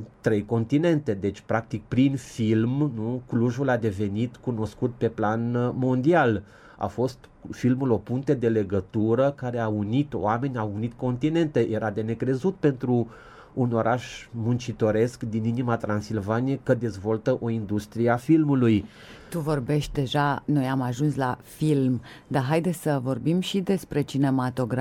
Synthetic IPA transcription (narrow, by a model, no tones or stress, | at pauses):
t̪ɾe̞jko̞nt̪ine̞nt̪e̞d̪e̞t͡ʃʲpɾak̚t̪ik̚pɾinfilmnukluʒulad̪e̞ve̞nit̪kuno̞skut̪̚pe̞planmo̞nd̪ial | a̰fo̞st̪ | filmulo̞puŋt̪ed̪e̞le̞ɡət̪uɾəkaɾe̞aunit̪o̰ame̞nʲaunit̪ko̞nt̪ine̞nt̪e̞jʔe̞ɾad̪e̞ne̞kɾe̞zut̪pe̞nt̪ɾuː | no̞ɾʔaʃmunt͡ʃit̪o̞ɾe̞skd̪ininimat̪ɾʔansilvanijekəd̪e̞zvo̞lt̪əʔo̞ind̪ust̪ɾieafilmuluj | t̪uvo̞rbe̞ʃt̪̚ʲd̪e̞ʒano̞jamaʒunslafilmd̪aɦajd̪esʲsəvo̞rbimʃid̪e̞spɾe̞t͡ʃine̞mat̪o̞ɡɾ